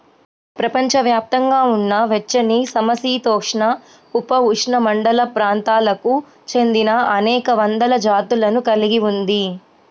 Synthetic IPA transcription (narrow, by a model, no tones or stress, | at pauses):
pɾɐpɐɲt͡ʃɐʋjaːp̚t̪ɐŋɡaːunːɐʋet͡ʃːɐnisɐmɐsiːt̪ɔːkʂɳɐ | upɐuʂɳɐmɐɳɖɐlɐpɾaːnt̪aːlɐku | t͡ʃe̞nd̪inɐɐnɛːkɐʋɐnd̪ɐlɐd͡ʒaːt̪ulɐnukɐliɡiund̪i